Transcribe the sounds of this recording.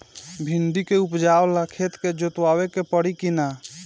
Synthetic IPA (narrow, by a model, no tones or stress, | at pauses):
bʱind̪ikeupd͡ʒawlakʰet̪ked͡ʒot̪wawekepəɽikina